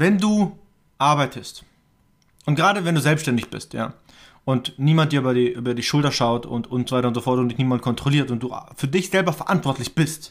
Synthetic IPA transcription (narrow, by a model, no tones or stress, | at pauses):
vɛnduː | ʔaɐbaɪtʰəst | ʔʊnt̚ɡ̥ʁaːɾəvɛnduːzɛlpsʃtɛndɪçb̥ɪ̰stja̰ː | ʔʊntniːmantn̚diɐyːbɐdiːʔyːbɐdiːʃʊltɐʃaʊtʊ̰ntʊntz̥ovaɪtɐʊntz̥ofɔɐt̚d̥ʊundɪçniːmankʰɔntʁ̥oliːɐstʊnt̚d̥uːʔfyːɐdɪçz̥ɛlbɐfɛɐʔantv̥ɔɐtlɪçb̥ɪst